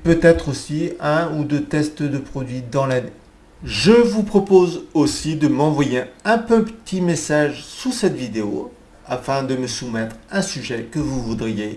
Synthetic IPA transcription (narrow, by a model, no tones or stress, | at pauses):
pøt̪ɛt̪χosiɛ̃ud̪øt̪ɛst̪d̪əpχɔd̪ɥid̪ɑ̃lane | ʒəvupχɔpozosid̪əmɑ̃vwajeɛ̃pøpət̪ʰimesaʒsusɛt̪vid̪eo̰ | afɛ̃d̪əməsumɛt̪χɛ̃syʒɛkəvuvud̪ʁije